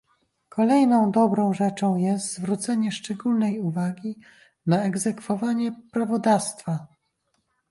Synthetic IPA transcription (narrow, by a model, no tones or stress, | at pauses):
kʰɔlɛjnɔ̃w̃d̪ɔbɾɔ̃w̃ʐɛt͡ʂɔ̃w̃jɛst̪zvɾut̪sɛɲɛʂt͡ʂɛɡulnɛjuvaɡʲi | naɛɡzɛkfɔvaɲɛpɾavɔd̪ast̪fa